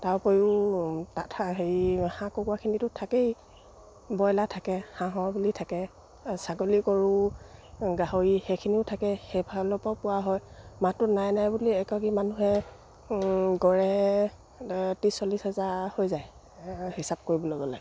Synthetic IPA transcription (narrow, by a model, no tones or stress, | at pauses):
taɹpojutatʰaɦeɹhãkokuakʰinitʊtʰakej | bɔjlatʰakɛhãɦɔɹbulitʰakɛ | saɡolikoɹʊ | ɡaɦoɹixejkʰiniʊtʰakɛxebʱalɔpɔpʊwaɦɔjmatʊnajnajbuliɛkɔɡimanuɦɛ | ɡɔɹɛ | tisolishɛzahojzaj | hisab̚koɹibɔlɔɡɔla̰